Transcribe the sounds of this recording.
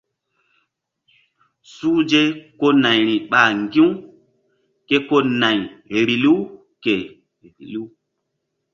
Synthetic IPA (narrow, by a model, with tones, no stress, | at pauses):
su˦d͡ʒe˦ko˦na˨jɾi˨ɓa˨ŋɡĩ˦w | ke˦ko˦nã˨jɾi˨li˦ | ke˨ | ɾi˨li˦